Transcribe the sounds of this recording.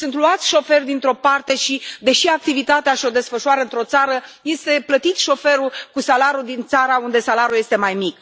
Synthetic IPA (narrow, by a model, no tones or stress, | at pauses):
sunt̪luat̪sʲʃo̞fe̞rʲd̪int̪ɾo̞part̪e̞ʃid̪e̞ʃiak̚t̪ivit̪at̪eaʃio̞d̪e̞sfəʃuaɾəɨnt̪ɾo̞t̪saɾəje̞st̪e̞plət̪it̪ʃo̞fe̞ɾukusalaɾud̪int̪saɾaund̪e̞salaɾuje̞st̪e̞majmik